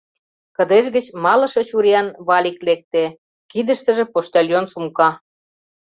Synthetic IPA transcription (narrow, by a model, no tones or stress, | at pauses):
kə̆d̪eʃɣə̆t͡ɕmɑlɤ̆ʃɤ̆t͡ɕuɾɑnβɑlʲiklek̚t̪e | kid̪əʃt̪ə̆ʒĕpoʃt̪ɑlʲjonsumkɑ